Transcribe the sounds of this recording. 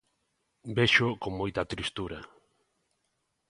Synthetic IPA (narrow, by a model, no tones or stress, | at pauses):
beʃokoŋmojt̪ɐt̪ɾist̪uɾa